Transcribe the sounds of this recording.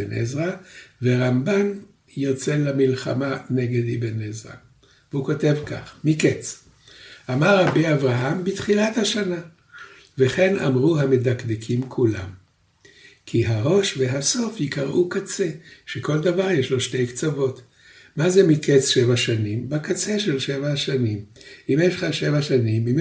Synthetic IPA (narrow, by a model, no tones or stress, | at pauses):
enʔḛzʁaveʁamban | jot͡se̞lamilχa̰maneɡed̪ibenezʁa̰ | veuko̞te̞vka̰χmiket͡s | ʔamaʁabeavʁaɦambit̪χilat̪haʃana | veχe̞na̰mʁuɦame̞d̪akd̪ekʰimkʰula̰m | kʰiɦaʁo̞ʃveɦaso̞fjikaʁʔukat͡se̞ʃeko̞ld̪avaʁjeʃlo̞ʃte̞jkt͡savo̞t | mazemikʰet͡sʃevaʃanimbakat͡seʃe̞lʃevaʃanimimeʃχaʃevaʃanimim